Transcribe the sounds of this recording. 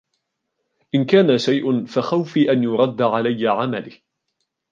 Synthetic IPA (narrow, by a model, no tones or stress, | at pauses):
ʔɪnkaːnaʃajʔʊnfaxawfiːʔanjʊɾˤɑd̪ːaʕalajːaʕamalɪh